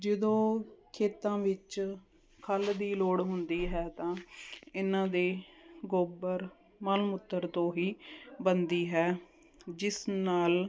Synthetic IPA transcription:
d͡ʒɪd̪õːkʰeːt̪ãːʋɪt͡ʃ | kʰəld̪iːloːɽɦʊnd̪iːɦɛːt̪ãːɪnãːd̪eːɡoːbəɾ | məlmʊt̪ːəɾt̪õːɦiːbənd̪iːɦɛː | d͡ʒɪsnaːl

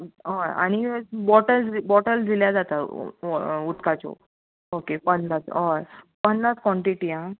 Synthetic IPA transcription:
ɦoja̰ɽ̃ibɔʈəlbɔʈəld͡z̪iljad͡zat̪a | ut̪kat͡ɕɔ̰ | okepəndat͡sɦojpənːaskʋɔ̃ɳʈiʈiã

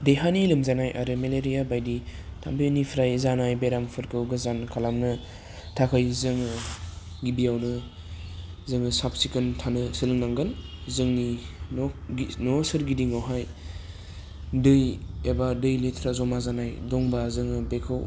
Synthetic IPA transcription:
dejɦanilɯmzanajʔaɾɯmeleɾijabajditʰa̰mbinipʰɾajzanajbeɾampʰɯɾkʰɯwɡɯzankʰalamnɯ | tʰakʰɯjzɯŋɯ | ɡibijawnɯ | zɯŋɯsap̚sikɯntʰanɯsɯlɯŋnaŋɡɯnzɯŋnininɔsɯɾɡidiŋawɦaj | dɯjebadɯjletʰɾazɔmazanajdɔŋbazɯŋɯbekʰɯw

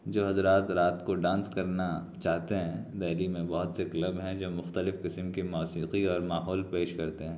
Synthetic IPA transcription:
d͡ʒoːɦɐzɾaːt̪ɾaːt̪koɖãːnskɐɾnat͡ʃaːɦt̪eɦɛ̃d̪ɛːlimẽbɔɦʊt̪sekɐlɐbɦɛ̃d͡ʒoːmʊxt̪əlɪfqɪsəmkimɔːsiːqiɔːɾmaːɦɔːlpeːʃkɐɾt̪eɦɛ̃ː

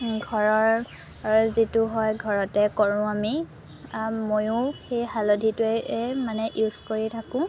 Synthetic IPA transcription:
ɡʱɔɹɔɹ | zitʊɦɔjɡʱɔɹɔtɛkoɹʊ̃ami | mojʊ̃xejhalodʱitʊɛmanɛʔjuskoɹitʰakʊ̃

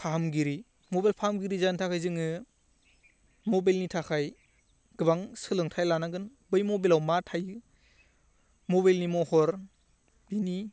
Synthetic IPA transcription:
pʰaɦamɡiɾi | mɔbalpʰahamɡiɾizantʰakʰajzɯŋɯ | mɔbajlnitʰakʰaj | ɡ̥ɯbaŋsɯlɯŋtʰajlanaɡɯnbɯjmɔbilawmatʰajɯ | mɔbajlnimɔhɔɾ | b̥ini

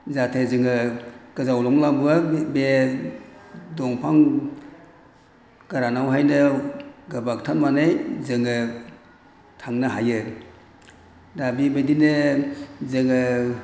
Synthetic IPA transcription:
zatʰezɯŋɯkɯzawlɔŋlabuabe | dɔŋpʰaŋ | ɡ̥aɾanawɦajnɯɡabak̚tʰanmanejzɯŋɯ | tʰaŋnaɦajɯ | dabibedine | zɯŋɯ

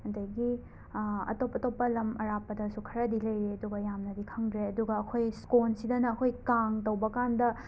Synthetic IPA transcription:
ɐdɐjɡi | ɐ̰topːɐtopːɐlɐmɐɾapːɐdɐsukʰɐɾɐdilɐjɾeɐduɡɐjamnɐdikʰɐŋdɾeɐduɡɐːkʰojskonsidɐnɐːkʰojkaŋtɐwbɐkandɐ

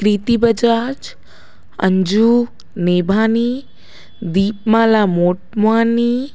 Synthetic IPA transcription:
kɾiːt̪ibəd͡ʒaːd͡ʒ | ə̰ɲd͡ʒuː | neːbʱaːni | d̪iːp̚mãːlaːmoːʈ̚maːniː

